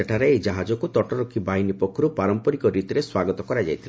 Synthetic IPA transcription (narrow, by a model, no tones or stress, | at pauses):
eʈʰaɾeːd͡ʒaɦad͡ʒɔkut̪ɔʈɔɾɔkʰːibaɦinipɔkʰːɔɾupaɾɔmpɔɾikɔɾit̪ɔɾeswaɡɔt̪ɔkɔɾad͡ʒa̰jt̪ʰil